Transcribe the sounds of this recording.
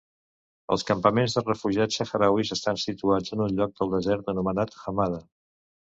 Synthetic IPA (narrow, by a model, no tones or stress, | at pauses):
ə̰lˠskəmpəmenzðərəfuʒiat͡səxəɾawizəst̪ansit̪uad͡zənunʎɔk̚d̪əlˠd̪əzɛɾt̪ənumənat̪xəmaðə